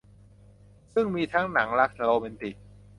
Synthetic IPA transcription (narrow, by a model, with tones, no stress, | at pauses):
sɯ˥˩ŋmiː˧t̪ʰa˦˥ŋna˩˦ŋla˦˥k̚t̪ʰa˧loː˧me˧nt̪i˨˩k̚